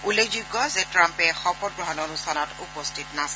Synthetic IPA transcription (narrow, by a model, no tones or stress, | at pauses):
ulekʰzuɡːɔzɛtɹampɛxɔpɔt̚ɡɹɔɦɔnonustʰanɔtupɔstʰitnas